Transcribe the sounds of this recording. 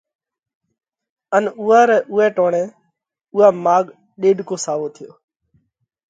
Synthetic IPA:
ənuːaːɾɛːʔuːɛːʈoːɳɛ̃ː | uːaːmaːɠ | ɗeːɖkoːsaːʋoːt̪ʰɪjoː

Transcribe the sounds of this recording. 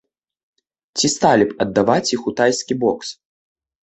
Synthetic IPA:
t͡sʲist̪alʲipɐd̪ːavat͡sʲixut̪ajskʲibɔks

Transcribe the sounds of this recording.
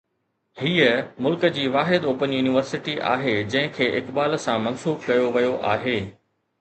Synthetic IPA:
hiːəmʊlkəd͡ʑiːʋaːɦɪd̪oːpənjuːnɪʋəɾsɪʈiʔa̰ːɦed͡ʑɐ̃ɦɪ̃kʰeːʔɪkbaːlsãmɐnsuːbkɐjoʋɐjoʔaːɦeː

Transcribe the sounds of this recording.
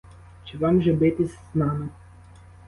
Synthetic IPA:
t͡ʃɪʋɑmʒɛbɪt̪ɪsʲznɑmɪ

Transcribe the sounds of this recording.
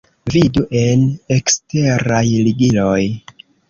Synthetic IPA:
viduʔe̞ne̞kste̞ɾajliɡilo̞j

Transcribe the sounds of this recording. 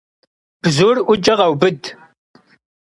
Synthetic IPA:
b̥zuːrʔʷʊd͡ʒɐʁɐwbɨd

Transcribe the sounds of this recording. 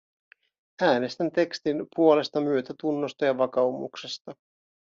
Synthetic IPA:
æːne̞st̪ænt̪e̞kst̪inpuo̞le̞st̪ɑmyøt̪æt̪unːo̞st̪ɑjɑʋɑkɑumṵkse̞st̪ɑ

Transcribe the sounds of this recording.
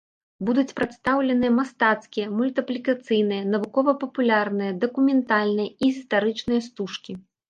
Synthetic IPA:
bud̪ut͡sʲpɾɐt̪st̪awlʲɛn̪ɨjɐmast̪at̪skʲijɐmulʲt̪ɨplʲikat̪sɨjnɨjɐnɐvukɔvɐpɐpulʲarnɨjɐd̪ɐkumʲɛnt̪alʲnɨjɐiɣʲist̪aɾɨt͡ʂnɨjɐst̪uʂkʲi

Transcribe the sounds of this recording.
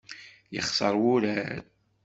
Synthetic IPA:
jəχsˤəɾˤwʊɾæɾ

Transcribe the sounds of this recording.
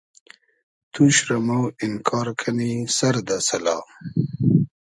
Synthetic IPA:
t̪ʰuʃɾɐmawɪnkʰɑːɾkʰanisaɾd̪asɐlɑ̰

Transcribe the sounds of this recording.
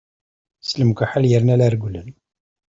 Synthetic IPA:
sləmkʷaħaljəɾnælæɾɡʷlən

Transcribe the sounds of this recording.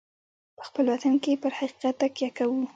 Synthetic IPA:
pə̥xpəlwat̪ankepəɾhaqi̥qat̪ːakjɑkawu

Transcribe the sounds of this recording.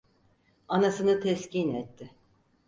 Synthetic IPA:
anasɯnɯt̪ʰɛscʰiːnɛt̪ːɪ

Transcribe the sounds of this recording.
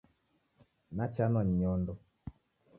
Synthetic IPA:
nat͡ʃanɔɲɲɔndɔ

